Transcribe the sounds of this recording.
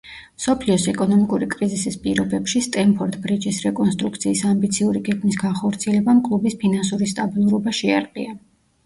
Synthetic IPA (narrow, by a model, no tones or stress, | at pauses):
msɔpʰliɔsɛkʼɔnɔmikʼuɾikʼɾizisispʼiɾɔbɛpʃist̪ʼɛmpʰɔɾt̪ʼbɾid͡ʒisɾɛkʼɔnst̪ʼɾukt̪sʰiːsambit̪sʰiuɾiɡɛɡmis̬ɡanχɔɾt̪sʰiɛlɛbamkʼlˠubispʰinansuɾist̪ʼabilˠuɾɔbaʃɛa̰ɾqʼḭa